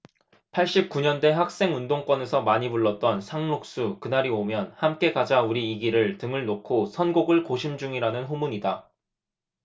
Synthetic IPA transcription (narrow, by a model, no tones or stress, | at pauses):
pʰaɭɕ͈ip̚k͈uɲʌnde̞hak̚s͈e̞ŋundoŋk͈wʌne̞sʰʌmaɲipuɭːʌt̚t͈ʌnsʰaŋmok̚s͈ukɯnaɾiomjʌnhamk͈e̞ɡad͡ʑauɾiːɡiɾɯɭtɯŋɯɭnokʰosʰʌnɡoɡɯɭkoɕʰimd͡ʑuŋiɾanɯnɦomuɲida